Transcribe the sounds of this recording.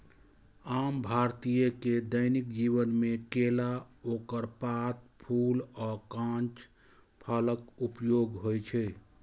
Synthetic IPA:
ambʱaɾt̪ijəked̪əɪnik̚d͡ʒiβənmekelaokəɾpat̪̚pʰulɔkãnt͡ʃ | pʰaləkupjoɡɦojt͡ʃʰɛ

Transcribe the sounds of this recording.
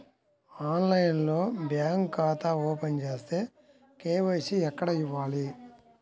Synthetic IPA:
aːnlɐjnlo̞ːbjaːŋɡkaːt̪aɔːpent͡ʃe̞ːst̪e̞ː | keːʋɐːsiɛkːɐɽɐiʋːaːli

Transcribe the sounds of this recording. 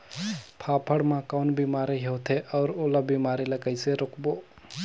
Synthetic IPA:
pʰaːpʰəɽmãkaʊnbiːmaːɾeɦot̪ʰeʔɔːɾoːlabiːmaːɾilɐkəɪseɾʊkboː

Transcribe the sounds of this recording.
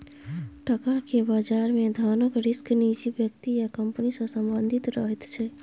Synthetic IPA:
ʈəkakebad͡ʒaɾmed̪ʱanəkɾisknid͡ʒibjəkt̪ijakəmpənisə̃səmbənd̪ʱit̪ɾəɦɛt̪t͡ʃʰɛ

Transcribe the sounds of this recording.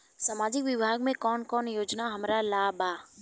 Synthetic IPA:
saːmaːd͡ʒɪkʋɪbʱaːɡmẽkɔːnkɔːnjoːd͡ʒnaɦɐmɾalaːbaː

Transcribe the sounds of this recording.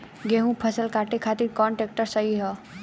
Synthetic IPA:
ɡeɦũpʰəsəlkaʈekʰat̪iɾkɔɳʈek̚ʈəɾsəɦiɦɔ

